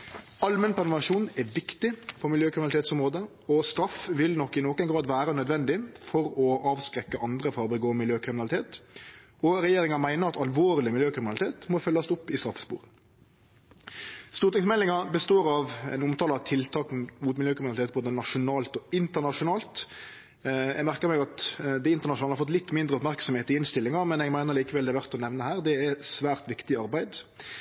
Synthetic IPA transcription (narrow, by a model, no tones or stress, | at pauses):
ɑlmənpʰɛʁnʊɑʂuːnɛʋɪkt̪ɪfɔmɪljøːkʰɾɪnlɪt̪eːt̪sʊmʁoːd̪ə | ɔst̪ɾɑfʋɪlnɔkːɪnɔkənɡɾɑːd̪ʋæːɾənœd̪ʋɛnd̪ɪfɔɾɔʔɑːʋskɾɛkːəʔɑnd̪ʁəfɔʁbɛɡoːmɪljøːkɾɪmɪnɑlɪt̪ʰeːt̪ | ɔɾɛjeːɾʁɪŋɑmæɪnəʁɑt̪ɑlʋoːʁlɪmɪljøːkʁɪmɪnɑlɪt̪eːt̪mɔfœlːɑsʊpːɪst̪ɾɑfspṵːʁə | st̪uːʁt̪ɪŋsmɛlːɪŋɑbəst̪oːɾɑʋɛ̰nʊmt̪ʰɑːləɾɑt̪ʰɪlt̪ʰɑːkn̩muːt̪mɪljøːkʰɾɪnɑlt̪eːt̪̚boːd̪ənɑʂʊnɑːlt̪ɔɪnt̪əʁnɑʂʊnɑːlt̪ | jɛɡmæʁkəʁmɛɡɑt̪d̪ɛɪnt̪ənɑʃʊnɑːlhɑɾfɔt̪lɪt̪ːmɪnd̪ʁəɔpmæʁksɔmheːt̪ɪɪnst̪ɪlːɪŋɑmɛnɛɡmæɪnəʁliːkəʋɛld̪ɛæɾʋæʁt̪ɔnɛʋnəhæːʁd̪ɛæsʋæːʁt̪ʋɪkt̪ɪɑʁbæɪd̪